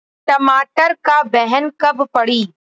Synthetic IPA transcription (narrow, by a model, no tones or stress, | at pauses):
ʈɐmaːʈəɾkabɛɦənkɐbpɐɽiː